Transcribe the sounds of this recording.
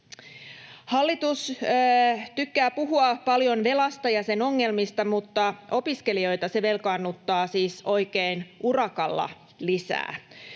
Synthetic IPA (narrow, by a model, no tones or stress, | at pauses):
hɑlːit̪us | t̪ykːæːpuɦuɑpɑljo̞nʋe̞lɑst̪ɑjɑse̞no̞ŋːe̞lmist̪ɑmut̪ːɑʔo̞piske̞lio̞jt̪ɑse̞ʋe̞lkɑnːut̪ːɑːsiːso̞jkeːnʔurɑkɑlːɑ̰ | lisæ̰ː